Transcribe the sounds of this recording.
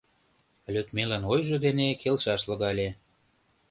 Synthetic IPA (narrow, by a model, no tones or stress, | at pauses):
lʲøt̪melɑnojʒɤ̆d̪enekʰelʃɑʃlɤ̆ɣɑlʲe